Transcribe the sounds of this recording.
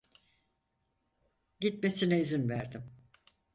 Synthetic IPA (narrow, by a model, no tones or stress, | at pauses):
ɟit̪̚me̞sinɛizinvæɾd̪im